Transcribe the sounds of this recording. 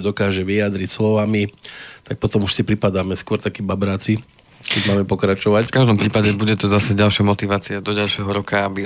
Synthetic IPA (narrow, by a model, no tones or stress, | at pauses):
d̪ɔkaːʒɛʋiad̪ɾicslɔʋamit̪ak̚pɔt̪ɔmuʃsipɾipad̪aːmɛskʊɔɾt̪akiːbabɾaːt͡si | kɛɟmaːmɛpɔkɾat͡ʃɔʋackaʒd̪ɔmpɾiːpaɟɛbuɟɛt̪ɔzasɛɟalʃɪamɔt̪iʋaːt͡siad̪ɔɟalʃɪɛɦɔɾɔkaabi